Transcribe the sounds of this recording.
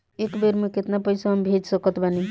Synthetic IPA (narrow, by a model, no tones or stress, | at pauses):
ekbeɾmẽket̪napəjsaɦəmbʱed͡ʒsəkət̪bani